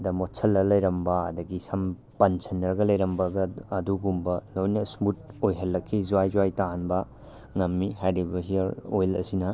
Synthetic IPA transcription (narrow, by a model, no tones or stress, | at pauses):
dɐmotsʰɐlːɐlɐjɾɐmbɐɐ̰dɐɡisɐm | pɐnsʰɐnːɐɾɡɐlɐjɾɐmbɐɡɐːduɡumbɐlojnɐsmut̚ojɦɐlːɐkʰːizuwajzwajtanbɐ | ŋɐmːiɦajɾibɐɦijɐɾojlɐ̰sinɐ